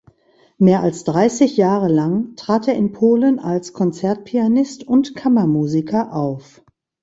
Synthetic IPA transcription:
meːɐʔalsd̥ʁaɪsɪçjaːʁəlaŋtʁ̥aːteːɐɪnpʰoːlənalskʰɔnt͡sɛɐt̚pʰianɪstʊntkʰamɐmuːzikʰɐʔaʊf

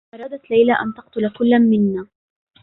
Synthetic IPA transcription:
ʔɑɾˤɑːd̪at̪lajlaʔa̰nt̪ɑq̚t̪ʊlakʊlːanmɪnːaː

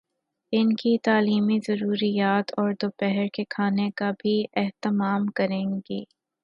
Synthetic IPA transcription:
ɪnkit̪aːliːmizɐɾuːɾijaːt̪ʰɔːɾd̪oːpɛɦəɾkekʰaːnekabʱiʔɛɦt̪ɪmaːmkɐɾẽːɡiː

